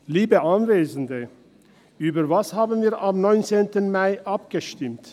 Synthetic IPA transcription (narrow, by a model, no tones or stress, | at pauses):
liːbəʔanveːzn̩də | ʔyːbɐvashaːbn̩viːɐʔamnɔʏnt͡seːntənmaɪʔap̚ɡ̥əʃtɪmt